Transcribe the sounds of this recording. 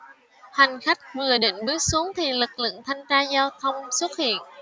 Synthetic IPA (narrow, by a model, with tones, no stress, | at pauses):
ha˨˩jŋ̟xa˦˥jk̚vɨ˨˩əɗḭ˧˨ŋ̟ɓɨ˦˥ət̚su˨˦əŋt̪ʰi˨˩lɨ˨˩k̚lɨ̰˧˨əŋt̪ʰa˧jŋ̟t͡ɕaː˧zɔ˧t̪ʰə˧wŋ͡mswə˦˥t̚hḭ˧˨ən